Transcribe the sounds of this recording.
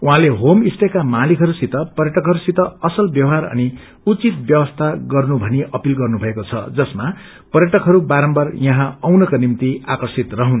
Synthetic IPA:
uɦãleɦomisʈ̪ekamalikʰɦʌɾusit̪ʌpʌrjʌʈʌkɦʌɾusit̪ʌʌsʌlbjʌwɦaɾʌ̰ni | ut͡sit̪̚bjʌwʌst̪ʰaɡʌrnubʱʌniʔʌpilɡʌrnubʱʌekot͡sʰʌ̰d͡zʌsma | pʌɾjʌʈʌkɦʌɾubaɾʌmbʌrjʌɦãʌwnʌkonimt̪iakʌrsit̪rʌɦun

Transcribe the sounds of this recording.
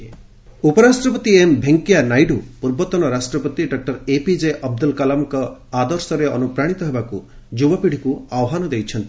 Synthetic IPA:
upɔɾasʈɾɔpɔt̪iembʱeŋkijanajɖupuɾbɔt̪ɔnɔɾasʈɾɔpɔt̪iɖɔk̚ʈɔɾepid͡ʒeʔɔb̚d̪ulkalamkɔad̪ɔɾsɔɾeɔnupɾaɽ̃it̪ɔɦebaku | d͡ʒubɔpiɽ̤ikuawɦanɔd̪ejt͡ʃʰɔnt̪i

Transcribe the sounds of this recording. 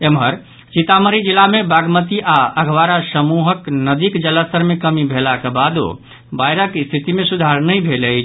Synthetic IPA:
emɦəɾ | t͡ʃit̪aməɾid͡ʒilamebaɡmət̪iʔaəɡʱʋaɾasəmuɦəknəd̪ikd͡ʒələst̪əɾmekəmibʱelakebad̪o̰ | bajɾəkst̪ʰit̪imesud̪ʱaɾnəjbʱeləjt͡ʃʰ

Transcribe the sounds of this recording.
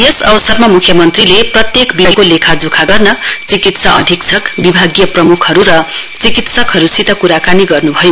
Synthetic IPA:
jʌsʌbʌsʌrmamukʰjʌmʌnt̪rileprʌt̪jekbiʌjkolekʰad͡zukʰaɡʌrnʌt͡sikit̪saʔʌ̰d̪ʱiksʰʌkbibʱaɡjʌprʌmukʰʌɾuɾʌ | t͡sikit̪sʌkɦʌɾusit̪ʌkuɾakaniɡʌrnubʱʌjo

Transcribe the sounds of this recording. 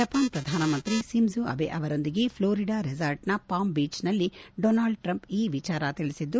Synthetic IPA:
d͡ʒɐpaːnpɾɐd̪ʱaːnɐmɐnt̪ɾisimzuɐ̰ʋḛʔɐʋɐɾo̞nd̪iɡe̞pʰloːɾiɖaːɾizɐɾʈnɐpaːmbiːt͡ʃnɐlːiɖoːnaːɭɖʈɾɐmpiːʋit͡ʃaːɾɐt̪iɭisid̪ːu

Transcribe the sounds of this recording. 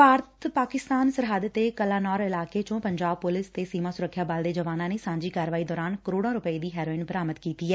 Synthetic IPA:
paːɾət̪paːkɪst̪aːnsəɾɦaːd̪ət̪ːeːkəlaːnɔːɾɪlaːkeːt͡ʃõːpəɲd͡ʒaːb̚pʊlɪst̪eːsiːmãːsʊɾəkʰːjaːbald̪eːd͡ʒəʋaːnãːneːsãːɲd͡ʒiːkaːɾʋaːiːd̪ɔːɾaːnkəɾoːɽãːɾʊpəiːd̪iːɦɛːɾoːɪnbəɾaːmət̪kiːt̪iːɛː

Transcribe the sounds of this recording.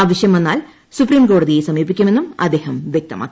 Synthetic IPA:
aːʋɐɕjɐmenːaːl | supriːmko̞ːɽɐðijesɐmiːpːikʲːume̞nːumɐ̰d̪eːhɐmʋʲjek̚t̪ɐma̰ːkː

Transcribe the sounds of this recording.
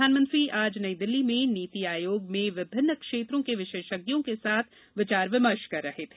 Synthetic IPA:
aːnmə̃nt̪ɾiaːd͡ʒnɐid̪ɪlːimẽniːt̪iaːjoːɡmẽʋɪbʱɪnːəkʃeːt̪ɾõkeʋɪʃeːʃəɡjõkesaːt̪ʰ | ʋɪt͡ʃaːɾʋɪməɾʃkɐɾːɐɦet̪ʰeː

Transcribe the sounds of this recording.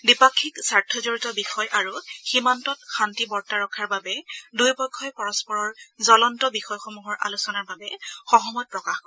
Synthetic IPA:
dipakʰːiksaɹtʰɔzoɹitɔbixɔjʔaɹuximantɔt̚xantibɔɹtaɹɔkʰːaɹbabɛdujpɔkʰːɔjpɔɹɔspɔɹɔɹzɔlɔntɔbixɔjxomuɦɔɹʔa̰lusɔnaɹbabɛxɔɦɔmɔt̚pɹɔkaxkɔɛ

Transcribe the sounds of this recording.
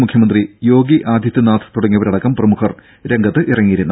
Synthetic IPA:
mukʰjɐmɐnd̪rijo̞ːɡiʔaːd̪ʱjɐt̪ːɨnaːt̪ʰɨ̥t̪uɽɐŋːiɐʋɐɾɐɽɐkːɐmprɐmukʰɐr | ɾeŋɡʱɐt̪ːɨʔirɐŋːijiɾunːu

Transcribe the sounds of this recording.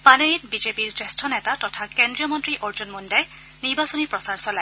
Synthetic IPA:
paneɹitbizepiɹsestʰɔnɛtatɔtʰakendɹijɔmɔntɹiʔoɹzɔnmɔndaj | niɹbasɔnipɹɔsaɹsɔla

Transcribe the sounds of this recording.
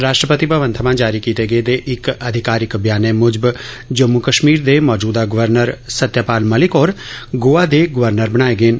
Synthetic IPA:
ɾaːʃʈɾəpət̪ipəʋə̃nt̪ʰəmãːd͡ʒaːɾikiːt̪eːɡəed̪eːʔɪkəd̪ʱɪkaːɾɪkbjaːnemʊd͡ʒb | d͡ʒəmːukəʃmiːɾd̪eːmɔːd͡ʒuːd̪aɡʊʋəɾnəɾsət̪ːjaːpaːlməlɪkɔːɾɡoːaːd̪eːɡʊʋəɾnəɾbəɽ̃aːeɡeːn

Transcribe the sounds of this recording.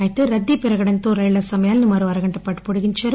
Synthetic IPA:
jt̪ːɯɾɐd̪ːipɪɾɐɣɐɽɐnt̪oːɾɐɪlːɐsɐmɐjaːlnɯmːɐɾɯʋɐɾɐɣɐɳʈːɐpːaːʈːɯ̥pɔɽɯɣɪɲt͡ʃɐɾ

